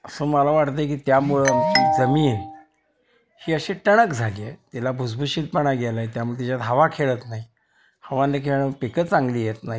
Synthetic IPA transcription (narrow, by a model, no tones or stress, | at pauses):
əsəːməlaʋaʈt̪ək̬iːt̪jamuɭeamt͡ɕid͡zəmiːn | hiːəɕeʈəɽ̃əkd͡zʱaliːet̪ilabʱusbʱuɕiːt̪̚pəɽ̃aɡelaet̪jamuɭet̪it͡ɕat̪ɦəʋakʰeɭət̪naɦi | həʋanekʰeɭəpekət͡sãŋɡliːjet̪naɦi